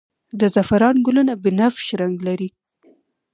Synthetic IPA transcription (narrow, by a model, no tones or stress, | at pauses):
d̪əzafaɾɑnɡʊlʊnabɪnafʃɾaŋɡlaɾi